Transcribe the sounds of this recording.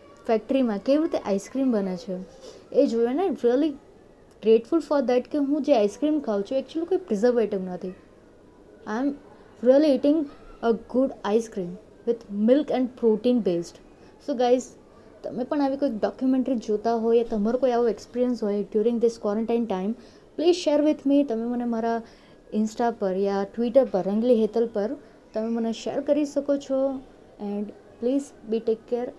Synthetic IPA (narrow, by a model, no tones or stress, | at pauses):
fɛk̚ʈəɾimãkeʋiɾɪt̪eʔaɪskɾĩmbənet͡ʃʰeed͡ʒojɛnaɾiəli | ɡɾeʈfʊlfɔɾd̪ɛʈkeɦũd͡ʒeaɪskɾĩmkʰaut͡ʃʰũɛk̚t͡ʃuəlikoːipɾɪzəɾʋeʈɪʋnət̪ʰi | aɪm | ɾiəlieʈɪ̃ŋɡəɡʊɖajskɾĩːm | ʋɪd̪mɪlkɛ̃ɳɖpɾoʈĩːnbeːsʈ | soɡaɪz | t̪ɐ̰mẽpəɳ̃aʋikoik̚ɖɔkjumɛ̃ɳʈɾid͡ʒot̪aɦojjat̪ɐmaɾokoiaʋoekspiːɾiənsɦojɖjuːɾɪ̃ŋɡd̪ɪskwɔɾə̃ɳʈãɪnʈãɪ̃m | pliːzʃeːɾʋɪd̪ʰʱmit̪əmẽmənemaɾa | ɪ̃nsʈapəɾjaʈʋiːʈəɾpəɾːə̃ŋɡliɦet̪əlpəɾ | t̪əmẽməneʃḛːɾkəɾisəkot͡ʃʰɔ | ɛ̃ɳɖ | pliːzbiʈeːkːeɾ